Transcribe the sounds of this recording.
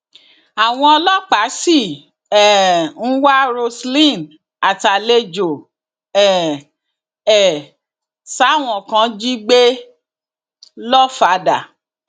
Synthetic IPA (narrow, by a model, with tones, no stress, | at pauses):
a˨w̃ɔ̃˧ɔ˧lɔ˦k͡pa˨˦si˦˨ | ɛ˨n̩˦wa˦ɾo˧slĩ˦˨n | a˨ta˨le˧d͡ʒo˨ | ɛ˨ | ɛ˨ | sa˨˦˨w̃ɔ̃˨kã˧˦d͡ʒi˦ɡ͡be˦ | lɔ˦fa˧da˨